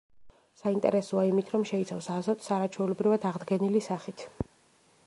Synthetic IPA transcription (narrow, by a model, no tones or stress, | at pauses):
saint̪ʼɛ̰ɾɛsɔaimit̪ʰɾɔmʃɛit̪sʰavsazɔt̪ʰʼsaɾat͡ʃʰwɛulɛbɾivad̪aʁd̪ɡɛnilisaχit̪ʰ